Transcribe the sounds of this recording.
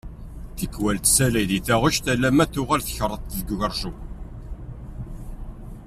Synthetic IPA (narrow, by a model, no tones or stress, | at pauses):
θəkːwælt̪sælæjðiθæʁʊʃt̪ælːæmæθʊʁælθə̥çɾˤət̪ˤðəɡʝəɾˤʒu